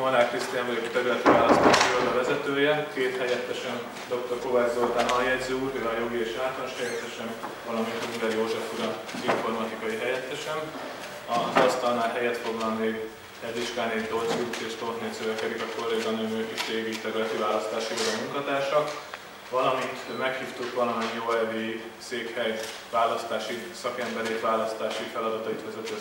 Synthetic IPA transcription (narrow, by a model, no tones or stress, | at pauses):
oɾaːkrist̪ijaɱvɒɟo̞kt̪ɛɾylɛt̪ivaːlɒst̪aːʃivod̪ɒvɛzɛt̪øːjɛkeːt̪hɛjɛt̪ːɛʃɛn | d̪o̞k̚t̪o̞rkoːvaːzod̪anɒljɛɟzøuːrɦøɒjo̞ɡieːʃaːt̪lanoʃhɛjɛt̪ːɛʃɛnvɒlɒmint̪hoiɾɛjoːʒɛfuɾɒziɱfo̞rmɒt̪ikɒjiɦɛjɛt̪ːɛʃɛn | ɒzɒst̪ɒlnaːlɦɛjɛt̪fo̞ɡlɒnmeːɡ | ɛd̪iʃkaːnet̪ozut̪eːʃt̪oːt̪nesøvɛkɛd̪ikɒkorezɒnømøːkiʃeːɡiːt̪ɛɡɾɛt̪ivaːlɒst̪aːʃibɒlɒmuŋkɒt̪aːʃɒk | vɒlɒmint̪mɛkhiːft̪ukʋɒlɒmɛɲjoːɛviseːkhɛj | ʋaːlɒst̪aːʃisɒkɛmbɛɾeːt̪ʋaːlɒst̪aːʃifɛlɒd̪ɒt̪ɒit̪ʋɛzɛt̪i